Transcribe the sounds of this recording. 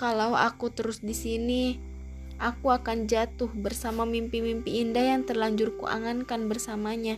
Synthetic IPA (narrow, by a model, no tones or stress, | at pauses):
kalawa̰kut̪əɾʊsdisini | ʔakuakand͡ʒat̪ʊhbərsamamimpimimpiːndahjaŋt̪ərlaɲd͡ʒʊrkṵʔa̰ŋankanbərsamaɲa